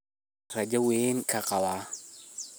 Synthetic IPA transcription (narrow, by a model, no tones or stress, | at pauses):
ɾad͡ʒawenkʰaqawa